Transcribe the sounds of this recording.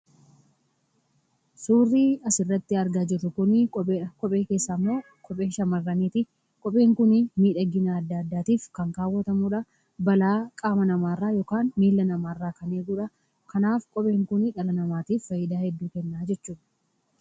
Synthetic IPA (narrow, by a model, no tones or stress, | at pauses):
suːrːiːɐsɪrːɐt̪ːɪɐɾɡaːd͡ʒɪrːʊkʊnɪkʼɔpʼe̞ːke̞ːsːaːmːo̞ː | kʼɔpʼe̞ːʃɐmɐrːɐneːt̪ɪ | kʼɔpʼe̞ːŋkʊnɪmiːᶑɐɡɪnaɐd̪ːaːɐd̪ːaːt̪iːfkɐŋkaːwːɐt̪ɐmuːᶑɐ | bɐlaːkʼaːmɐnɐmaːrːaːjɔːkaːnmiːlːɐnɐmaːrːaːkɐneːɡuːᶑɐ | kɐnaːfkʼɔpʼe̞ːŋkʊnɪᶑɐlɐnɐmaːt̪iːffɐjɪd̪aːhɛd̪ːuːkɛnːaːd͡ʒɛt͡ʃːuːᶑɐ̥